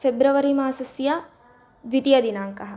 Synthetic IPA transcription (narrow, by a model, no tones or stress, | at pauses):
febɾuʋɐɾimaːsɐsija | d̪ʋit̪ijɐd̪inaːŋkɐɦɐ